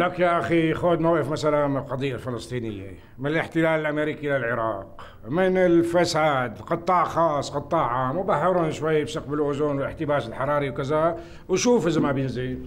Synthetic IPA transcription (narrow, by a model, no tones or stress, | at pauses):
lækjaʔæxixod̪mawʔəfmæsælanməlqɑd̪ˤijːalfələst̪ˤinəjːḛ | mənələħt̪ɪlæləlʔæmeɾikiʔlælʕəɾˤɑ̰ːq | mɪnəlfæsad̪qɑt̪ˤːɑʕxɑːsˤːqɑt̪ˤːɑʕʕaːmbahːəɾunʃwæjːbsəq̚bəlʔʊzunwələħt̪əbæːsəlħɑɾˤɑːɾiwkəzæ | wʃuːfəzəmabjənzi